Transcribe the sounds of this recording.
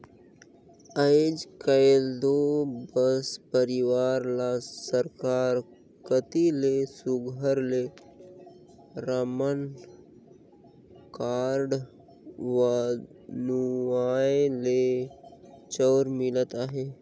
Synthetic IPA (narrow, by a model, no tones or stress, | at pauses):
əɪd͡ʒkəld̪obəspəɾɪwaːɾlasəɾkaːɾ | kət̪ilesʊɡʱəɾle | ɾəmən | kaːɾɖ | ʋanuaːele | t͡ʃɔːɾmɪlt̪aɦɛː